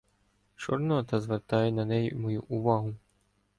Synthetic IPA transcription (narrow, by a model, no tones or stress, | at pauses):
t͡ʃɔrnɔt̪ɐzʋert̪ɑjɛnɐnɛjimɔjuʔuʋɑɦʊ